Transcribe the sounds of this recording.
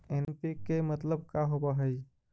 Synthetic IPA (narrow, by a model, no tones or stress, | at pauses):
enpikemət̪ləb̚kaɦobəɦəj